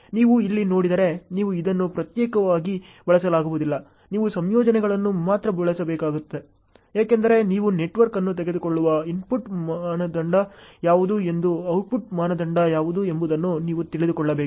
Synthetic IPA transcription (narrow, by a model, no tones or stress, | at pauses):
niːʋuilːino̞ːɽid̪ɐɾe̞niːʋuid̪ɐnːupɾɐt̪jɛːkɐʋaːɡibɐɭɐsɐlaːɡuʋud̪ilːɐ | niːʋusɐmjɔːd͡ʒɐnɛɡɐɭɐnːumaːt̪ɾɐbɐɭɐsɐbɛːkaːɡut̪ːe̞ | jaːkend̪ɐɾe̞niːʋune̞ʈʋɐɾkɐnːut̪̬eɡe̞d̪ukoɭːuʋɐimpuʈmaːnɐd̪ɐɳɖɐjaːʋud̪uːe̞nd̪uɐwpuʈmaːnɐd̪ɐɳɖɐjaːʋud̪ue̞mbud̪ɐnːuniːʋut̪iɭid̪ukɔɭːɐbeːku